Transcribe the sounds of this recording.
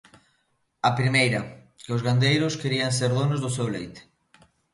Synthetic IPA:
ɐpɾimejɾɐ | keʊzɣand̪ejɾʊskeɾiaŋseɾðonʊzðʊsewlejt̪ɪ̥

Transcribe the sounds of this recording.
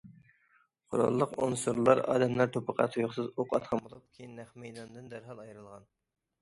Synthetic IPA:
qʰo̰ɾɑ̰lˠːəqonsuɾlˠɑɾɑ̰ːd̪ɛmlˠæɾt̪ʰopʰəqʰɑ̰t̪ʰujuχsɨzoqʰɑt̪qʰɑmbolˠup̚kʲʰejinːæχmɛjd̪ɑnd̪ɨnd̪æɾɦɑlˠɑjɾɨlˠʁɑn

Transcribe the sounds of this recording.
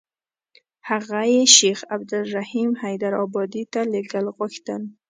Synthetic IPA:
haɣajeʃexabd̪alɾahimhajd̪aɾɔbɑd̪it̪aleɡalɣʊxt̪an

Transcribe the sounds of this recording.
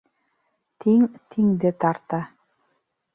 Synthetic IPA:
t̪ʰiŋt̪ʰiŋd̪ɘt̪ɑɾt̪ɑ

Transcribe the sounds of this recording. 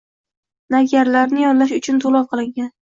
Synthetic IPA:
naɡʲaɾlaɾnɪjɒnlaʃ̬ʊt͡ʃʰʊnt̪ʰolˠɒlˠqʰɨlˠɪŋɡʲan

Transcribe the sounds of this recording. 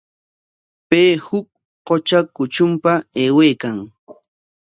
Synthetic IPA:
peːhʊk̚ | qot͡ʃakʊt͡ʃʊmpaeːwejkaŋ

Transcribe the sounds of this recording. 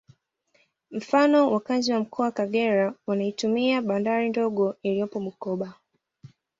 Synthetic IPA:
m̩fanɔwʔakaziwam̩kʰɔawakaɠɛɾaunaitumiaɓandaɾindɔɠɔilijɔpɔmukɔɓa

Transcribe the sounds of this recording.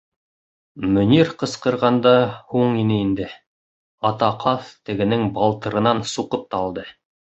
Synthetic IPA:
mɵ̆nʲiɾqɤ̆sqɤ̆ɾʁɑnd̪ɑhuɴinɘind̪ɘ | ɑt̪ɑqʰɑθt̪ɘ̆ɡɘ̆nɘŋbɑlˠt̪ɤ̆ɾɤ̆nɑnsuqɤp̚t̪ɑlˠd̪ɤ

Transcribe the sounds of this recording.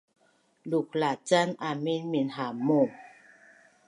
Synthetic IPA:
luk̚lat͡ɕanʔamenminɦaːmːom

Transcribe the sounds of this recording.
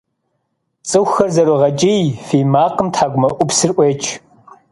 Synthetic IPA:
t͡sʼɨxʷxɐrzɐɾoʁɐt͡ʃʼijfiːmaːqəmtʰħaːɡʷʊmɐʔʷʊpsɨrʔʷeːt͡ʃʰʼ

